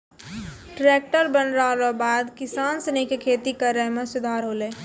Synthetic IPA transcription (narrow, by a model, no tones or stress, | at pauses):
ʈɾeːk̚ʈəɾbənɾaːlobaːd̪kɪsaːnsenekekʰeːt̪ikəɾəmẽsʊd̪ʱaːɾɦoːleː